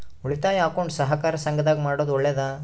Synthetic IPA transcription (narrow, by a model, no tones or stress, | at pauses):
uɭit̪aːjaːkoːɳɖsɐɦɐkaːɾɐsɐŋɡɐd̪aːɡimaːɽoːd̪ɔɭːeːd̪aː